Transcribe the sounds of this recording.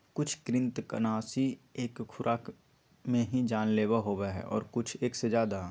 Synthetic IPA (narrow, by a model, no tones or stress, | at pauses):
kʊt͡ʃʰkɾɪ̃nt̪kə̰naːsieːkʰːʊɾʔaːk | mẽɦid͡ʒaːnleːwaɦoːbaɦɛ̰ʔɔ̰ːɾkʊt͡ʃʰeːksed͡ʒjaːd̪a